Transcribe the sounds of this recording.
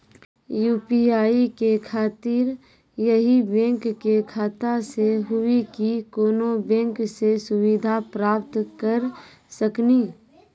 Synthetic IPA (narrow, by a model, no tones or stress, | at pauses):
juːpiaːikekʰaːt̪iɾ | jəɦibɛ̃ŋkːekʰaːt̪ãseɦʊikikoːnobɛ̃ŋksesʊwid̪ʱapɾaːpt̪kəɾ | səkniː